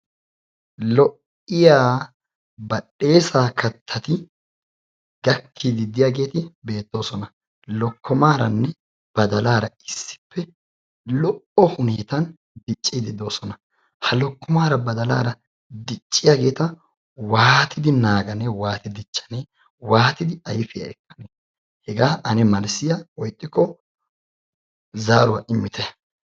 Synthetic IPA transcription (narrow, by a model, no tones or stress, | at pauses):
lɔʔ | ɪjaː | bɐɗe̞ːsaːkɐt̪ʰːɐt̪ɪ | ɡɐkʰːid̪ɪd̪ɪjaːɡe̞ːt̪ɪbe̞ːt̪ːo̞ːsɔnɐ | lɔkʰːɔmaːɾɐnːɛ | b̥ɐd̪ɐlaːɾɐɪsːɪ̥pʰːɛ | lɔʔɔhʊneːt̪ɐn | d̪ɪt͡ʃʼːid̪ɪd̪o̞ːsɔnɐ | hɐlɔkːɔmaːɾɐbɐd̪ɐla̰ːɾɐ | d̪ɪt͡ʃʼːɪjaːɡe̞ːt̪ɐ | waːt̪ʰɪd̪ɪnaːɡɐnɛwaːt̪ɪd̪ɪt͡ʃːɐ̥ne | waːt̪ɪd̪ɪɐjfɪjɐ̰ɛkːɐneː | hɛɡaːʔɐnɛmɐlsɪjɐwɔjt̪ʼːɪkːɔ | zaːɾʊwɐʔɪmːɪt̪ʰɛ